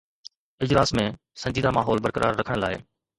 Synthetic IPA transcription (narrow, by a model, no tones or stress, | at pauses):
ɪd͡ʑlaːsmẽ | sɐ̃ɲd͡ʑiːd̪amaːɦɔːlbəɾkəɾʔa̰ːɾːɐkʰəɽ̃laːɪ